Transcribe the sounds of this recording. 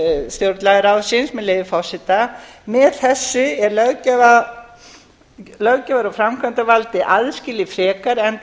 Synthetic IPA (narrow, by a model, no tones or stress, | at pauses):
st̪jowɾt̪laɣɪɾawsɪnsmɛðlejvɪfɔsɪt̪amɛðθɛsːʏɛɾlœɣcava | lœɣcavaɾawfɾamkʰvant̪avalt̪ɪʔaðskcɪlɪfɾɛːkaɾɛn